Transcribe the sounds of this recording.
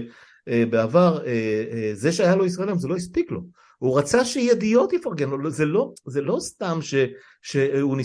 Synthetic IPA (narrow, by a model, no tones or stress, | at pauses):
ebeavaʁezeʃeajalo̞is̬ʁaelimzelo̞ispiklo̞ | huʁat͡saʃejed̪ijo̞t̪jifaʁɡe̞nolzelo̞zelo̞st̪amʃe | ʃeuni